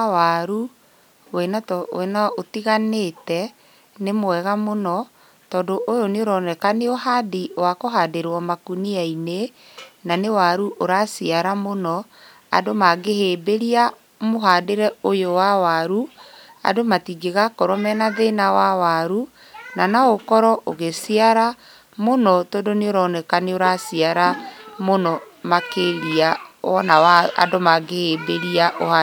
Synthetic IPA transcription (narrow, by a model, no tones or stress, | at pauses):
waɾu | wɛnawɛnaotiɣanetɛ | nemwɛɣamonɔ | tɔːndoʔojoneoɾɔnɛkaneoɦadiwakoɦaːdeɾwɔmakuniaine | nanewaɾuʔoɾasiaɾamonɔ | a̰domaɡeheːbeɾia | moɦadeɾɛojowawaɾua̰domatiɡeɣakɔɾɔmɛnaðenawawaɾu | nanaokɔɾɔʔoɣesiaɾa | monɔtɔdoneoɾɔnɛkaneoɾasiaɾamonɔmakeɾiaɔnawaa̰domaɡehebeɾiaʔoha